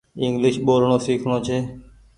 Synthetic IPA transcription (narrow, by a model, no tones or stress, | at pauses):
ɪŋɡlɪʃɓoːɾɳõːsiːkʰɳoːt͡ʃʰeː